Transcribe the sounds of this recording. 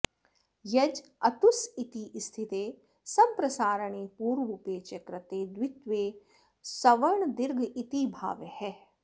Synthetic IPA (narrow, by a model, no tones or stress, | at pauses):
jɐd͡ʒɐt̪usit̪ist̪ʰit̪eː | sɐbpɾɐsaːɾəɳeːpuːɾʋupeːt͡ʃɐkɾɐt̪eːd̪wɪt̪ʋeː | sɐʋɐɾɳd̪ɪɾɡʱit̪ibʱa̰ːʋjhɛː